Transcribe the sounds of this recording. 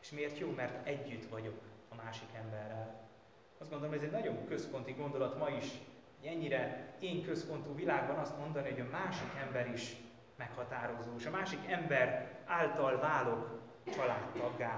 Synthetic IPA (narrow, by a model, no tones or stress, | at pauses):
e̥ːʃmeːrt̪joːmɛrt̪ɛɟːyt̪ʋɒɟo̞kɒmaːʃikɛmbɛrːɛl | ɒzdɡo̞nd̪oomɟɛzɛɟnɒɟo̞ŋkø̞spo̞nt̪iɡo̞nd̪o̞lɒt̪mɒiʃ | oɟɛɲːiɾɛeːŋkøspo̞nt̪uːvilaːɡ̚bɒnɒst̪mo̞nd̪ɒniɦo̞ɟɒmaːʃikɛmbɛɾiʃ | mɛkhɒt̪aːɾo̞zoːeʃɒmaːʃikɛmbɛraːlt̪ɒlvaːlo̞k | t͡ʃɒlaːt̪ːɒɡːaː